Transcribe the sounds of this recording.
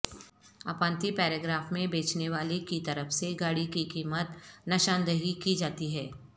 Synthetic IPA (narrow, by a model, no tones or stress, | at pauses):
aːpãːnt̪ipɛːɾeɡɾaːfmẽbeːt͡ʃneʋaːlekit̪ɐɾəfseɡaːɽikikiːmət̪nɐʃãːnd̪əɦikid͡ʒaːt̪iɦɛː